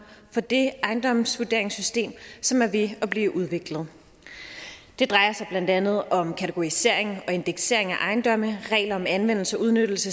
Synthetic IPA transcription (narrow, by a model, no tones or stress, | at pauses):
fɒ̽d̥e̝ʔɑ̈ɪnd̥ɒ̽msʋude̝̰ɐe̝ŋsysd̥e̝̰ːmsɒ̽mæɐʋe̝ɒ̽b̥liːʔuð̞ˠʋe̝ɡ̥ləð̞̩ˠ | d̥e̝d̥ʁɑ̈ɪɐsɑ̈ɪb̥lænd̥ænð̞̩ˠɒ̽mkʰæt͡sʰeɡ̥o̝ise̝ɐ̰e̝ŋɒ̽e̝nd̥eɡ̥se̝̰ɐe̝ŋæʔɑ̈ɪnd̥ɒ̽məʁɛ̰ːɪlɐɒ̽mænʋen̰l̩səɒ̽uð̞ˠnød̥l̩sə